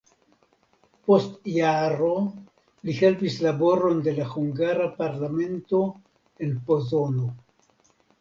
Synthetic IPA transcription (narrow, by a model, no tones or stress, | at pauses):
po̞stjaɾo | lihe̞lpislabo̞ɾo̞nde̞lahuŋɡaɾapaɾlame̞nto̞ | e̞npo̞zo̞no